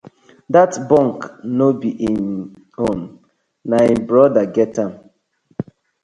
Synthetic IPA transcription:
datbɔ̃ŋknobiʔin | õn | naĩmbɾɔdaɡɛtãn

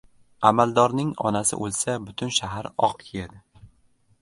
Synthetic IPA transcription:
amald̪ɒɾnɪŋɒ̰nasɪ̰ʔolˠsabʊt̪ʰʊnʃaɦaɾɒ̰qkʲʰejad̪ɪ

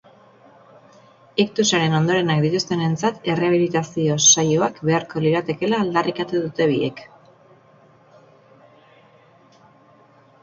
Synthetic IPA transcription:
ikt̪usaɾe̞no̞nd̪o̞ɾe̞nak̚d̪it̪ust̪e̞ne̞nt͡sat̪e̞reaβ̞ilit̪asio̞sajoakbe̞aɾko̞liɾat̪e̞ke̞laːld̪arikat̪uðut̪e̞β̞iḛk

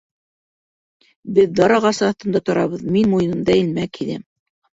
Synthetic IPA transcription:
bɘðd̪ɑɾɑʁɑsɤːθt̪ɤ̆nd̪ɑt̪ŏɾɑβɤðminmujɤ̆nɤ̆nd̪ɑɘ̆lmækʰiðæm

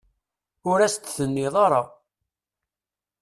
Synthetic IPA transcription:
ʊɾæst̪θənːiðˤɑɾˤɑ

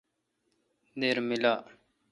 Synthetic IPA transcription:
d̪eːɾmilaː

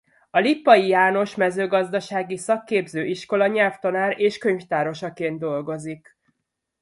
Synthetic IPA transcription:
ɒlipːɒjijaːno̞ʃmɛzøːɡɒzd̪ɒʃaːɡisɒkːeːbzøːʔiʃko̞lɒɲɛlft̪ɒnaːɾeːʃkø̞ɲft̪aːɾo̞ʃɒkeːnd̪o̞lɡo̞zik

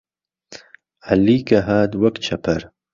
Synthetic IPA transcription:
ʕaliːkɐɦaːd̪wɐkt͡ʃʰɐpʰɐɾ

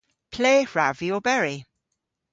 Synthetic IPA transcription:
pʰl̥eːɹaviobɛɹi

